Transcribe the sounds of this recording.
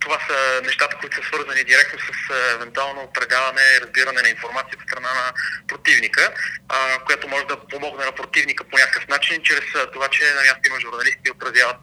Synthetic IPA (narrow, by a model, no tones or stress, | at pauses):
t̪ovasənɛʃt̪at̪əkoʊit̪o̥səsvɤɾzənid̪iɾɛk̚t̪nosəsɛvɛnt̪ualˠnoːpɾɛd̪avɐnɛɾɐzbiɾɐnɛnɐinfoɾmat̪siəot̪t̪ɾɐnanɐpɾot̪ivnikə | kojat̪omɔʒɛd̪ɐpomɔɡnɛnɐpɾot̪ivnikəponʲakə̥kəfnat͡ʃint͡ʃɾɛst̪ovat͡ʃɛnɐmʲast̪oimɐʒuɾnɐlist̪̚ɛot̪ɾɐzjavət̪